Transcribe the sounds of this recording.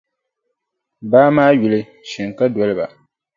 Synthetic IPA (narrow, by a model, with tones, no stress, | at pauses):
baː˦maː˦ju˨lɨ˦ | ʃi˨ŋ˨ka˦dɔ˦lɨ˦ba̰˨